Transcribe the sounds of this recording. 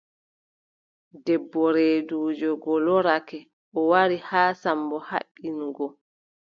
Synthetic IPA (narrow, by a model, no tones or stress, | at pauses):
dɛbːɔɾeːduːd͡ʒɔɡɔlɔɾakɛ | ʔɔwaɾihaːsambɔha̰ɓːinɡɔ